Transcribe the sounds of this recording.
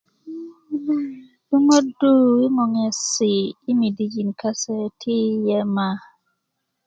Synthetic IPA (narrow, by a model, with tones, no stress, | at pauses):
du˦ŋo˦du˦wi˦ŋɔ˨ŋɛ˨sɪː˨˦mi˨di˦d͡ʒi˨nka˦sɛ˦tʰi˦jɛ˦ma˦